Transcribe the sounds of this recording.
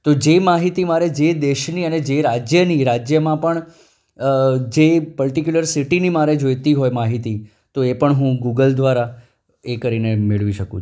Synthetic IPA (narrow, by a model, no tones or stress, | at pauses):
t̪od͡ʒemaɦit̪imaɾed͡ʒed̪eʃniəned͡ʒeɾad͡ʒjəniɾad͡ʒjəmãpəɳ | d͡ʒepəɭʈikjuləɾsiʈinimaɾed͡ʒojt̪iɦojmaɦit̪i | t̪oepəɳɦũɡuɡəld̪ʋaɾa | ekəɾinemɪɭʋiʃəkṵ̃t͡ʃʰu